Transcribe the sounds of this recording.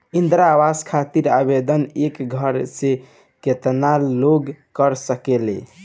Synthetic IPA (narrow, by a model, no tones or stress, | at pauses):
ind̪ɾawaskʰat̪iɾabed̪ənekɡʱəɾse | ket̪naloɡkəɾsəkelḛ